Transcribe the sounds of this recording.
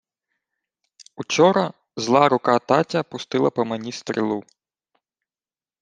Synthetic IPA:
ut͡ʃɔɾɐ | zlˠɑɾʊkɑt̪ɑtʲɐpʊst̪ɪlˠɐpɐmɐnʲist̪ɾʲḭlˠu

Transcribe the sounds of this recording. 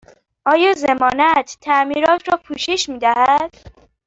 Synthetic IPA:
ʔɒːjɒːzemɒːnæt̪ʰːæmiːɾɒːt̪ʰɾɒːpʰuːʃeʃmiːd̪æhæd̪̥

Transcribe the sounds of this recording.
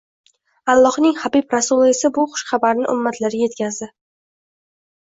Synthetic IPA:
alˠːɒhnɪŋhabibɾasʊlˠɪɪsɪbʊχʊ̥ʃχɑbaɾnɪʔʊ̰mːat̪ʰlaɾɪje̞t̪kʲazd̪ɪ

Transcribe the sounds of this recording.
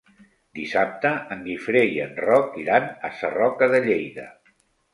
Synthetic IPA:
d̪isap̚t̪əəŋɡifɾejə̰nrɔkiɾanəsərɔkəðəʎejðə̰

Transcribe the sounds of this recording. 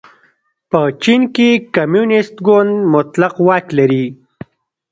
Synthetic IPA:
pət͡ʃinkekamjunɪst̪ɡond̪mʊt̪laqwɑːklaɾi

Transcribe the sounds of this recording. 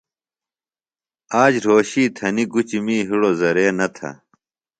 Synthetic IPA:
aːd͡ʑɾoːɕiːt̪ʰɐniɡut͡ɕimiːɦiɽozɐɾeːnɐt̪ʰɐ̰

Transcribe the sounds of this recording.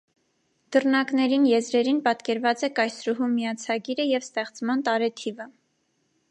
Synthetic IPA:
d̪̥ərnɑknɛɾinjɛzɾɛɾinpɑt̪kɛɾvɑt͡sɛkɑjsɾuɦumːijɑt͡sʰɑɡiɾəjɛvst̪ɛχt͡smɑnt̪ɑɾɛt̪ʰivə

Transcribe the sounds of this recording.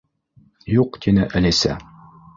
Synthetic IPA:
juqt̪ʰinɘʔæ̆lisæ̰

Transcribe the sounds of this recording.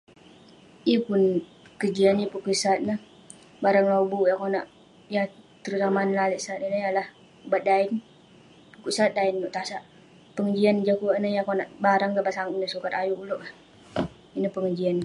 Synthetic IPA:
ipun | kəd͡ʒianipukəsat̪̚nəh | baɾaŋlobujakonaʔ | jat̪əɾut̪amanlalɛʔsat̪inəjalah | bat̪̚daɪn | ukuʔsat̪̚dainːɔʔt̪asaʔ | pəŋəd͡ʒiand͡ʒakunəjakonaʔbaɾaŋɡabaʔsaŋnəsukat̪ajuʔuloʔah | inəhpəŋəd͡ʒian

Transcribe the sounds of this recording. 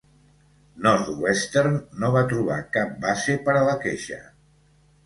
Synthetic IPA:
nɔɾθwɛst̪eɾnːoβ̞at̪ɾuβ̞a̰kap̚basepəɾələkeʃə̰

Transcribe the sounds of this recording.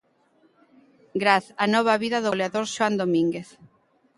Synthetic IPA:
ɡɾaθanɔβ̞aβiðaðoleaðoɾʃoand̪omiŋɡeθ

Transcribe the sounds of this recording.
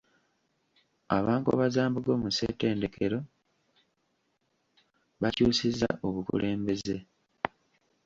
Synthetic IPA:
a̰βaːŋko̰βazaːmbuɡo̞ːmusḛte̞ːnde̞ke̞ɾo̞ | βacuːsiza̰ʔoβukṵlʔe̞ːmbe̞ze̞

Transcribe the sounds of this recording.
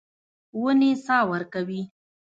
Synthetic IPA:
wənesɑwəɾkawi

